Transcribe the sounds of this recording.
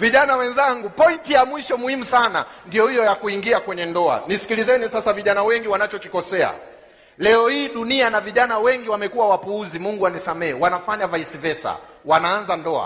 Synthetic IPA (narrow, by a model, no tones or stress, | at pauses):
viʄanawɛnzaŋɡupɔintijamwiʃɔmuhimusana̰ndiɔhijɔjakuiŋɡiakwɛɲɛndɔa̰nisi̥kilizɛnisasaviʄanawɛŋɡiwanat͡ʃɔkikɔsɛa̰ | lɛɔhiːɗunianaviʄanawɛŋɡiwamɛkuwawapuuzimuŋɡuwanisamɛɛwanafaɲavaisivɛsa̰ | wanaːnzandɔa̰